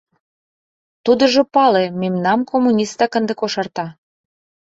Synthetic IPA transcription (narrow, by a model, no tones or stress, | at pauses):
t̪ud̪ə̆ʒŏpɑlememnɑmkomːunʲist̪ɑkə̆nd̪ə̆koʃɑrt̪ɑ